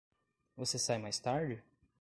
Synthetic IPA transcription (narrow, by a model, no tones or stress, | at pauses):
vosesajmajst̪aɾd͡ʒɪ